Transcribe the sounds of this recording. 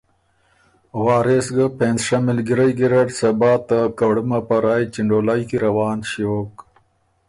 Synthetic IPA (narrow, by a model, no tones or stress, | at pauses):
wɑːɾesɡapenzʂamɪlɡiɾajɡiɾaʈsabɑːt̪akaɽumapaɾaːjt͡ʃiɳɖolajkiɾawɑːnɕoːk